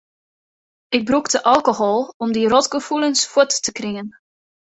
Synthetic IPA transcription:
ɪɡ̚bruktəʔɑlˠkoɦɔlˠɔmdirɔtɡəfulənsfuətːəkrɪŋən

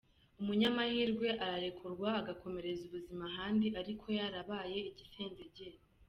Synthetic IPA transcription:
umuɲamahiːɾɡwe̞ʔaɾaɾe̞kʰuɾɡwaːɡako̞me̞ɾe̞zuβuzimaɦaːndiʔaɾikʰo̞jaɾaβaje̞iɟiseːnzeɟe

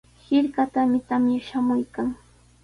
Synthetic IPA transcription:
hɪɾkat̪amɪt̪amjaʃamʊjkaŋ

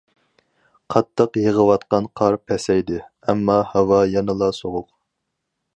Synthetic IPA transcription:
qʰɑt̪ʰːəqjeʁəwɑt̪̚qɑnqʰɑɾpʰɛsɛjd̪ɪ | ɛmːɑhɑwɑjɑnɨlˠɑsoʁʊq̚

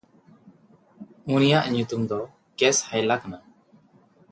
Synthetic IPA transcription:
unijaʔɲut̪umd̪ɔ | kɛshajlakana

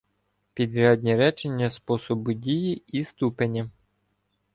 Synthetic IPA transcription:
pʲid̪ɾʲad̪ʲnʲiɾɛt͡ʃenʲːɐspɔsɔbʊdʲijiist̪upenʲːɐ

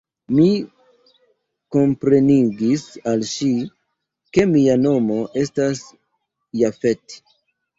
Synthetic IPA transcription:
mi | ko̞mpɾe̞niɡisalʃi | ke̞miano̞mo̞ʔe̞stas | jafe̞t

